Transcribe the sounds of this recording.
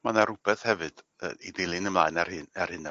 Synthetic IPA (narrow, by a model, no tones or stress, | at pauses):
manaɾʊb̥ɛθhɛvɨd̥ | ə̰idejlˠɨnəmlˠaːɨnarɨnar̥hɨnə